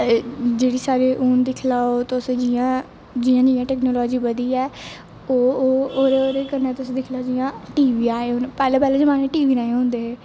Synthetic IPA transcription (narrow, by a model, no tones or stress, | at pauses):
d͡ʒeːɽiːsaːɾeːʔoːnd̪ɪkʰlaːot̪ʊsed͡ʒijãː | d͡ʒiːãːd͡ʒiːjãːʈɛːknoːlɔːd͡ʒiːbəd̪iːɛː | oːoːɾeoːɾeːkəɾnɛːt̪ʊsːd̪ɪkʰlaːd͡ʒijãːʈiːʋiːaːeːʊnpɛːlẽːpɛːleːd͡ʒəmaːneːʈiːʋiːnaːẽɦʊ̃nd̪eːɦeː